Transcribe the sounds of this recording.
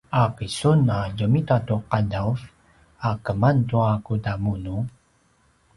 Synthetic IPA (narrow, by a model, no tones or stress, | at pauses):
aqisunaɟumitatuqadawv | akəmantuakudamunu